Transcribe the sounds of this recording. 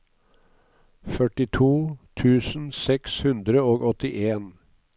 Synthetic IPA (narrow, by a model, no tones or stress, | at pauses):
fœʈɪt̪ʰuːt̪ʰʉːsn̩sɛkshʉnd̪ɾəoːɡɔt̪ɪʔeːn